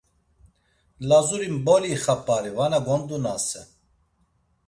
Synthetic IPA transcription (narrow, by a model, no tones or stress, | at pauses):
lazuɾimbɔliːχapʼaɾivanaɡɔnd̪unasɛ̰